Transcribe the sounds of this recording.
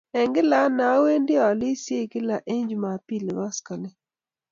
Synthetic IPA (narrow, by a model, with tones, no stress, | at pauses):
ɛ˨ŋɡɪ˦la˦na˨˦we˦ndɪ˦ɔ˨lɪ˦sje˦kɪ˦la˨ʔe˦ɲd͡ʒma˨pi˦˨lwa˦ska˨lɛ˦